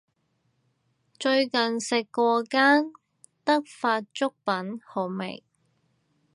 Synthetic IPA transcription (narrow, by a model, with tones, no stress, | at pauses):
t͡ʃɵ˧ɥkɐ˨nsɪ˨kːɔː˧kaː˥n | t̪ɐ˥k̚faː˧t̚t͡ʃʊ˥k̚pɐ˨˥nho˨˩mɪ̰˨˩ŋ